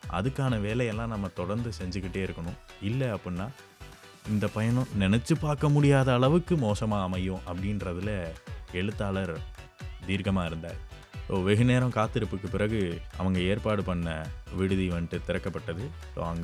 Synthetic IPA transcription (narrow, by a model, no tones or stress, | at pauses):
ʔɐ̰ðɯkːaːnɐʋeːlɛɛlːãːnɐmːɐt̪ɔɽɐɾnd̪ɯsɛɲd͡ʒɯkːɪʈːeːɪɾɯkːɐɳʊ̃ɪlːɛɐpːɐnːaː | ɪnd̪ɐpɐjɐɳʊ̃nɪnɛt͡ʃːɯpaːɾkɐmʊɽɪjaːðɐːɭɐʋɯkːɯmoːsɐmaːɐmɐjʊ̃ʔɐpːɐɽɪnɾɐðɪlɐɛɻɯt̪ːaːlɐɾ | d̪iːɾkɐmaːɪɾɯnd̪a̰ːɾ | soːʋɛɣɯneːɾɐ̃mkaːt̪ːɯɾɯpːɯkːɯpɪɾɐɣɯʔɐʋɐŋɡɐeːɾpaːɽɯpɐɳːɐʋɪɽɯðiʋɐɳʈːɯt̪ɪɾɐkːɐpːɐʈːɐðɯ | so̰ːɐŋɡ